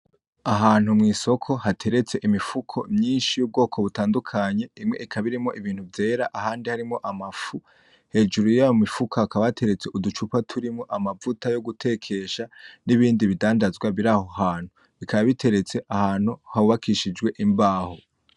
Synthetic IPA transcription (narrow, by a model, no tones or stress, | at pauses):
aɦaːn̥humŋiːso̞kʰo̞hatʰe̞ɾe̞t͡se̞ʔimifukʰo̞̰mɲiːnʃijub̚ɡo̞ːkʰo̞βutaːndukʰaɲe̞imŋe̞̰ʔikʰaβiɾimo̞ʔiβiːn̥huvje̞ːɾaʔaɦaːndihaɾimŋo̞ʔamafu | he̞ːd͡ʒuɾujaːjomifukʰaːkaβatʰe̞ɾe̞t͡se̞ʔudut͡ʃupatʰuɾimŋoʔamavutajo̞ɡutʰe̞kʰe̞ʃaniβiːndiβidaːndazɡwaβiɾaho̞haːn̥hu | ikʰaβaβitʰe̞ɾe̞t͡se̞ʔahaːn̥huhaβuβakʰiʃid͡ʒɡwe̞ʔimbaːho̞